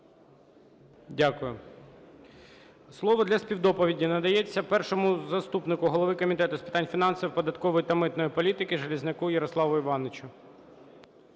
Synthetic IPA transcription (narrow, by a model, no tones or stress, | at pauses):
dʲakʊjʊ | slˠɔʋɔd̪lʲɐspʲiwd̪ɔpɔʋʲidʲinɐd̪ɐjet͡sʲːɐpɛrʃɔmʊzɐst̪upnɪkʊɦɔlˠɔʋɪkɔmʲit̪ɛt̪ʊspʲɪt̪ɑnʲfʲinɑnsɐwpɔd̪ɐt̪kɔʋɔjit̪ɐmɪt̪nɔjipɔlʲit̪ɪkɪʒɐlʲiznɪkujɐɾɔslˠɑʋʊiʋɑnɪt͡ʃʊ